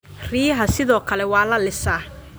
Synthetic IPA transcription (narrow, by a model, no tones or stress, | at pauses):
riːɦɐsɪðɔːkʰɐlɛwɑːlɐlɪsaː